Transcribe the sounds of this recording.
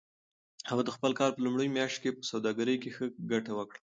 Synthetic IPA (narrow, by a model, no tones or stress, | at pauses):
hawad̪əxpəlkɑɾpəlumɽəjimjɑʃt̪̚kepə̥sawd̪ɑɡəɾəjkexəɡaʈawəkɽa